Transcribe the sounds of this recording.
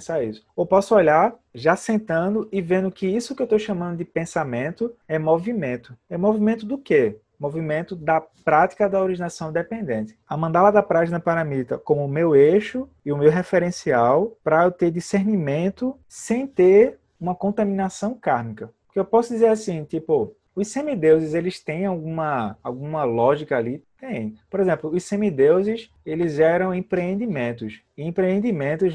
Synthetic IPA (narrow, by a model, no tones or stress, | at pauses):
saisʊ̥ewpɔsʊɔʎaɾ | ʒasẽnt̪ɐ̃d̪ʊɪvẽnd̪ʊkɪisʊkɪewt̪owʃɐ̃mɐ̃nd̪ʊd̪ɪpẽsamẽnt̪ʊɛmovimẽnt̪ʊɛmovimẽnt̪ʊd̪ʊke | movimẽnt̪ʊd̪ɐpɾat̪i̥kɐd̪ɐoɾiʒinasɐ̃w̃d̪ɛpẽnd̪ẽnt̪ɪ̥amɐ̃nd̪alad̪ɐpɾaʒinɐpaɾɐmit̪ɐ̰kõmʊːmeweʃʊ | iʊmewɦɛfɛɾẽsiawpɾɐt̪eɾd̪iseɾnimẽnt̪ʊ | sẽj̃t̪eɾ | ũmɐkõt̪amĩnasɐ̃w̃kaɾmikɐppo̥keewpɔsʊd̪izeɾasĩt̪ipʊ | ʊssẽmid̪ewzɪzelɪst̪ẽj̃awɡũmɐawɡũmɐlɔʒikɐalit̪ẽj̃poɾezẽmplʊːssẽmid̪ewzɪs | elɪzʒɛɾɐ̃w̃ẽpɾeẽnd̪imẽnt̪ʊs | iẽpɾeẽnd̪imẽnt̪ʊz